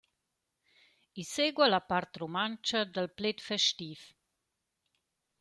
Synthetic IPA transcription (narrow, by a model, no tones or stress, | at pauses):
iseɡwalapaɾt̪romant͡ʃad̪əlplet̪fɛʃt̪if